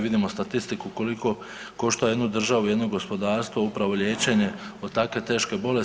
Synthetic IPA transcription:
ʋid̪imo̞st̪at̪ist̪ikuko̞liko̞ | ko̞ʃt̪oje̞d̪nud̪r̩ʒaʋujed̪no̞ɡo̞spo̞d̪aːɾst̪ʋoupɾaʋo̞lʎjeːt͡ɕe̞ɲe̞od̪t̪akʋe̞t̪e̞ːʃke̞bo̞le

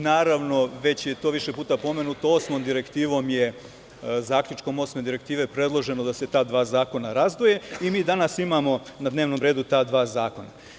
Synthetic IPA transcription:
naːɾaʋno̞ʋe̞t͡ɕjet̪oʋiʃe̞puːt̪apo̞me̞nut̪ooːsmomd̪iɾe̞kt̪iːʋo̞mje̞ | zaːkʎʲut͡ʃko̞mo̞ːsme̞d̪iɾe̞kt̪iːʋe̞pɾe̞d̪lˠo̞ʒe̞nod̪ase̞t̪aːd̪ʋaːzaːko̞naɾazd̪ʋoje̞imiːd̪anasimamo̞nad̪neːʋno̞ːmɾe̞ːd̪ut̪aːd̪ʋaːzaːko̞na

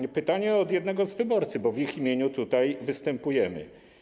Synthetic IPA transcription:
pɘt̪aɲɛɔd̪jɛd̪nɛɡɔzvɘbɔɾt̪sɘbɔvʲiximʲjeɲut̪ut̪ajvɘst̪ɛmpujɛmɘ̰

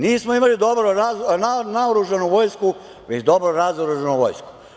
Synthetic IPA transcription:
niːsmoimalid̪o̞bɾoɾaznanaoɾuʒanuʋo̞jsku | ʋet͡ɕd̪o̞bɾoɾazoɾuʒanuʋo̰jsku̥

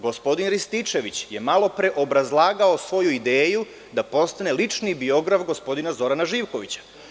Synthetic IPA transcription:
ɡo̞spo̞d̪inɾist̪it͡ʃe̞ʋit͡ɕje̞malˠo̞pɾe̞ʔo̞bɾazlˠaːɡaosʋo̞juid̪eːju | d̪apo̞st̪ane̞lit͡ʂnibio̞ɡɾafɡo̞spo̞d̪inazo̞ɾanaʒiːʋko̞ʋit͡ɕḁ

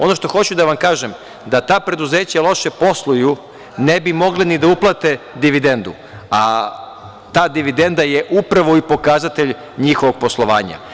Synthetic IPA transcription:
o̞no̞ʃt̪o̞xo̞t͡ɕud̪aʋamkaːʒem | d̪at̪aːpɾe̞d̪uze̞ːt͡ɕalˠo̞ʃepo̞slˠuju | nebimo̞ɡlinid̪auplˠat̪e̞d̪iʋid̪e̞nd̪ṵ | a | t̪aːd̪iʋid̪e̞nd̪ajeʔupɾaʋo̞ipo̞kazat̪eʎ | ɲixoʋo̞ɡ̚po̞slˠo̞ʋa̰ːɲa̰

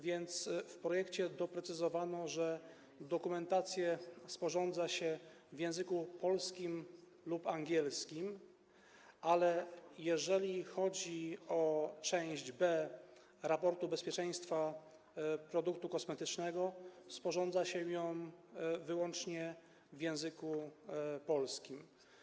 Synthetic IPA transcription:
vʲjɛnt̪sfpɾɔjɛkt͡ɕɛd̪ɔpɾɛt̪sɘzɔvanɔʐɛ | d̪ɔkumɛnt̪at̪sʲjɛspɔʐɔnd̪zaɕɛ | vjɛ̃w̃zɘkupɔlskʲim | lupaŋɡʲjɛlskʲim | ʔalɛjɛʐɛlʲixɔd͡ʑiɔt͡ʂɛ̃w̃ʑd͡ʑbɛ | ɾapɔɾt̪ubɛspʲjɛt͡ʂɛ̃j̃st̪fa | pɾɔd̪uk̚t̪ukɔsmɛt̪ɘt͡ʂnɛɡɔspɔʐɔnd̪zaɕɛjɔ̃wvɘwɔnt͡ʂɲɛ | vʲjɛ̃w̃zɘkupɔlskʲim

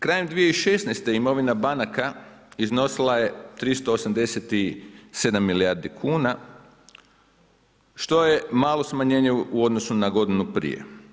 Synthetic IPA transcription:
kɾaːjemd̪ʋijeiʃe̞snejst̪e̞imo̞ʋinabanakaizno̞silˠaje̞t̪ɾist̪oːsamd̪e̞set̪ise̞d̪amːiliaɾd̪ikʰuːna | ʃt̪o̞je̞maːlo̞smaɲe̞ːɲeuo̞d̪nosunaɡo̞d̪inupɾḭjḛ

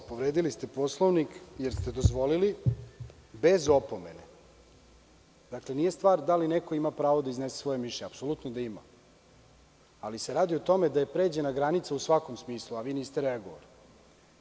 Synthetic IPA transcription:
poʋɾeːd̪ilist̪e̞po̞slˠoʋnikje̞ɾst̪e̞d̪o̞zʋo̞lili | be̞zo̞po̞me̞̰ne | d̪akle̞nije̞st̪ʋaːɾd̪aline̞ko̞imapɾaːʋod̪aizne̞se̥sʋo̞jemiʃeapsolut̪nod̪aima̰ | aliseɾaːd̪iot̪o̞me̞d̪aje̞pɾe̞ːd͡ʑe̞naɡɾanit̪sausʋako̞msmiːsluaʋiːniːst̪eɾeaɡoʋa̰li

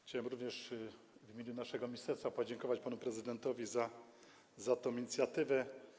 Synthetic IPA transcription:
xt͡ɕawɛmɾuvɲɛʂ | vimʲeɲunaʂɛɡɔmʲist̪ɛɾsfapɔd͡ʑɛŋkɔvat͡ɕpanupɾɛzɘd̪ɛnt̪ɔvʲiza | zat̪ɔ̃w̃iɲit̪sʲjat̪ɘvɛ

